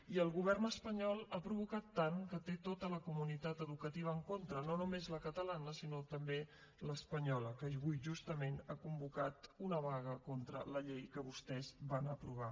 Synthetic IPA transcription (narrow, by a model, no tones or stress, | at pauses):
iəlˠɣuβ̞ɛrnəspəɲɔlˠapɾuβ̞ukat̪ːaŋkət̪et̪ot̪ələkumunit̪at̪əðukət̪iβ̞əːŋkont̪ɾənonumezləkət̪əlanəsinot̪əmbe | ləspəɲɔləkəʒɣujʒust̪əmenakumbukat̪unəβaɣ̞əkont̪ɾə̰ləʎejkəβust̪ɛzβanəpɾuβ̞a